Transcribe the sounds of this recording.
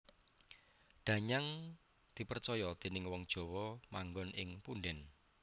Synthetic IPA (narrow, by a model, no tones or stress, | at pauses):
ɖ̪̥ä̤ɲaŋ | d̪̥i̤pərt͡ʃɔjɔd̪̥e̤nɪŋwɔŋd̥ʒ̥ɔ̤wɔmaŋɡɔnʔɪŋpunɖɛn